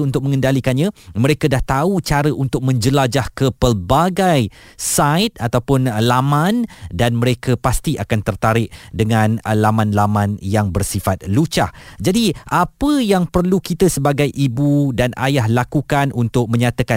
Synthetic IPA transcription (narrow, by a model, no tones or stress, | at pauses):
unt̪ʊk̚mə̃ŋə̃ndalikanɲãməɾekadaht̪aut͡ʃaɾəʔunt̪ʊk̚mə̃ɲd͡ʒəlad͡ʒahkəpərbaɡaj | sat̪̚at̪awpʊnlamãndanməɾekəpast̪iʔakant̪ərt̪aɾɪʔ̚dəŋãnlamãnlamãnjaŋbərsifat̪̚lut͡ʃa̰hd͡ʒadiʔapəjaŋpərlukit̪əsəbaɡajʔibudana̰jahlakukanunt̪ʊk̚mə̃ɲat̪aka